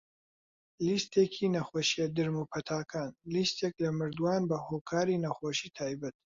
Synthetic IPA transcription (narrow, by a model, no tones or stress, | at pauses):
list̪ʰeːkʰinɐχoʃiɛd̪ɨɾmupʰɐt̪ʰaːkʰaːnlist̪ʰeklɐmɨɾd̪waːnbɐhoːkʰaːɾinɐxoːʃiːt̪ʰaːjbɐt̪̚